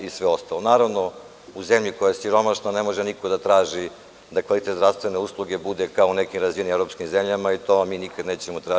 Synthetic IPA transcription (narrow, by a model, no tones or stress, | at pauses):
isʋeo̞st̪alˠonaːɾaʋno̞ | uzemʎikojajesiɾo̞maʃnane̞mo̞ʒenikod̪at̪ɾaːʒi | d̪akʋalit̪et̪dɾafst̪ʋe̞ne̞uslˠuɡebud̪ekaoune̞kimɾazinimevɾopskimzemʎamait̪omiːnikad̪neːt͡ɕemot̪ɾa